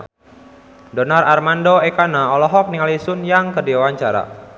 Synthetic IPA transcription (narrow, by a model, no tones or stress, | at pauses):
dɔnararmandoekanaɔlɔɦɔk̚niŋalisʊnjaŋkədiwawaɲt͡ʃaɾa̰